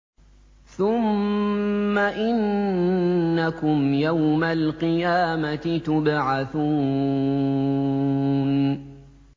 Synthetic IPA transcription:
θʊmː | aʔɪnː | akʊmjawmalqɨjaːmat̪ɪt̪ʊbʕaθuː | n

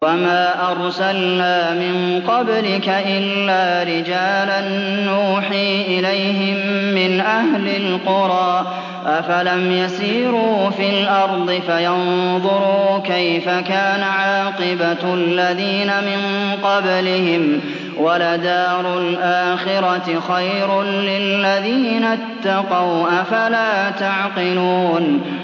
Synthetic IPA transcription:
wamaːʔɑɾˤsalnaːmɪnqɑblɪkaʔɪlːaːɾɪd͡ʒaːlanːuːħiːʔɪlajɦɪmːɪnʔahlɪlqʊɾˤɑːʔ | ʔafalamjasiːɾuːfilʔɑɾˤd̪ˤɨfajɑnðˤʊɾuːkajfakaːnaʕɑːqɨbalːaðiːnamɪnqɑblɪhɪm | walad̪aːɾˤʊlʔaːxɪɾɑt̪ɪxajɾʊnlɪlːaðiːnat̪ːɑqɑwʔafalaːt̪aʕqɪluːn

